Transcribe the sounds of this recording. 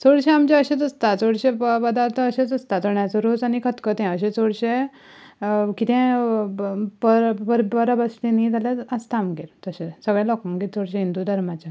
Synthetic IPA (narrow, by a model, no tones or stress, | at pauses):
t͡soɽɕẽamt͡ɕaəɕet͡səst̪at͡soɽɕẽpəd̪aɾt̪ʰəːɕet͡səst̪at̪əɳjasəɾut͡sanikʰət̪kət̪ɛ̃əɕẽt͡soɽɕe | kit̪ɛ̃ | pəɾpəɾbəɾabəst̪init̪aljaəst̪amɡeɾt̪əɕesəɡɭjãlɔkãŋɡit͡sʰoɽɕẽɦind̪ud̪ʱəɾmat͡ɕa